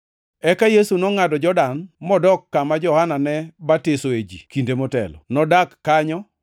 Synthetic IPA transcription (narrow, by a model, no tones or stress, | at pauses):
ɛkajesunɔŋadɔd͡ʒɔdanmɔdɔkːamad͡ʒɔhananɛbatesoed͡ʒḭkindemɔtɛ̰lɔ̰nɔdakːaɲɔ